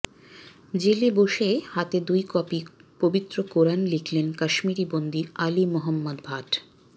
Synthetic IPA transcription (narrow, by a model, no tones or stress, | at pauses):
d͡ʑeleboʃehat̪ed̪ujkɔpipobit̪ːɾokoɾanlikʰlenkaʃmiɾibond̪ialimɔɦɔmːad̪bʱaʈ